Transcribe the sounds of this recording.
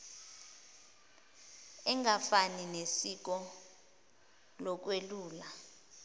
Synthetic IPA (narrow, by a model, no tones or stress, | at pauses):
ɛŋafaninesik̬ɔ | lɔk̬weluːla